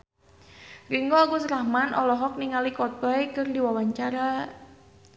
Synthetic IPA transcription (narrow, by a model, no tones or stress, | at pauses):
riŋɡoaɡusɾamanɔlɔɦɔk̚niŋalikɔt̪̚ɔjkɨrdiwawaɲt͡ʃaɾa